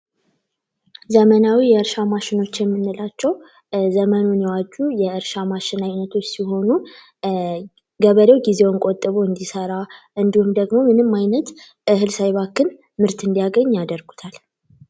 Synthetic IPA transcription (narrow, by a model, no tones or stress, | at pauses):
zəmənawijɛɨɾʃamaʃɪno̞t͡ʃːjɛmːɨnːɨlat͡ʃːɛw | zəmənunjɛwad͡ʒujɛʔɨɾʃamaʃɪnaɲnːət̪ʰo̞t͡ʃːsiɦo̞nu | ɡəβəɾewɡize̞wɨŋkʼot̪ʼːɨβuɨnd̪isəɾaʔɨnd̪ihumd̪əɡmo̞mɨnɨmːajnət̪ | ʔɨɦɨlsajβakːɨn | mɨɾt̪ɨnd̪ijaɡəɲːjad̪əɾɡut̪ʰal